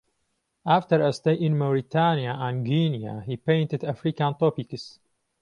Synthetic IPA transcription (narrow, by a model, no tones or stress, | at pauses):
ʔaft̪əɾɐst̪ejʔɪ̃nmɐwɾit̪ʰaːnijaʔãnɡiːnija̰hiːpẽjntɨd̪afɾikãnt̪ˤoːpikɨs